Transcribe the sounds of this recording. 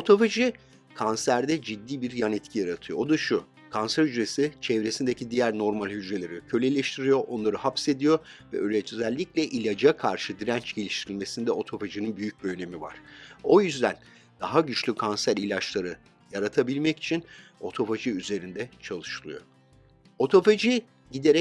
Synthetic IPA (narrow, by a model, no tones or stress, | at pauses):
o̞t̪ʰo̞faʒi | kʰansæɾd̪ɛd͡ʒid̪ːiːbiɾjanɛt̪cʰijaɾat̪ʰɯjo̞ːd̪aʃu | kʰansæɾhyd͡ʒɾe̞sit͡ʃʰɛvɾesind̪ecʰid̪ijæɾno̞ɾmalʲhyd͡ʒɾe̞lʲe̞ɾicʰølʲelʲeʃt̪ʰiɾijo̞ʔo̞nlˠaɾɯhapse̞d̪ijo̞vɛølɛt͡ʃ̪ʰøzælʲːiclʲɛʔilʲad͡ʒakʰaɾʃɯd̪iɾænt͡ʃɟ̥e̞lʲiʃt̪ʰiɾilʲme̞sind̪ɛo̞t̪ʰo̞faʒininbyjyc̚biøne̞miva̰ɾ̥o̞jyzd̪æn | d̪̥aɦaɟyt͡ʃlʲykʰansæɾilʲat͡ʃlˠaɾɯ | jaɾat̪ʰabilʲmɛci̥t͡ʃʰino̞t̪ʰo̞faʒiyze̞ɾind̪ɛt͡ʃʰalˠɯʃɯlˠɯ̰jo̞̰ | o̞t̪ʰo̞fad͡ʒi | ɟid̪eɾɛ